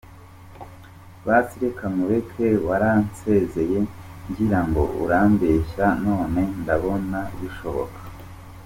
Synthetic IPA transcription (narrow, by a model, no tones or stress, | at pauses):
βasiɾekamuɾekʰe̞waɾanse̞ze̞je̞ɲɡiɾaŋɡo̞̰ʔṵɾaːmbeʃano̞ːne̞ndaβo̞naβiʃo̞βo̞kʰḁ